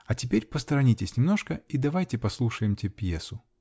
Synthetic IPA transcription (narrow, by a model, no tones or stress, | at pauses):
ɐtʲɪpʲeɾʲpəst̪əɾɐnʲitʲɪsʲnʲɪmnoʂkəid̪ɐvajtʲɪpɐslˠuʂəjɪmtʲepʲjesʊ